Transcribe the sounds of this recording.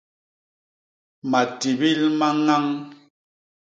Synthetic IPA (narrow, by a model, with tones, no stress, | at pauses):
ma˨ti˨bi˦lma˦ŋa˦ŋ